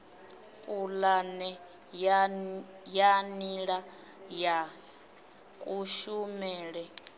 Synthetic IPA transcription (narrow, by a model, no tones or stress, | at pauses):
kʼulanɛ | janiɺa | ja | kʼuʃumɛːɺɛ